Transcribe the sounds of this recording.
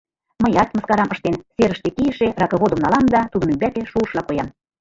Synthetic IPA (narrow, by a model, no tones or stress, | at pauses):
mɤjɑt̪mɤskɑɾɑmɤʃt̪enseɾə̆ʃt̪ekiə̆ʃerɑkɤ̆βod̪ə̆mnɑlɑmd̪ɑt̪ud̪ə̆mybæk̪eʃuəʃlɑkojɑm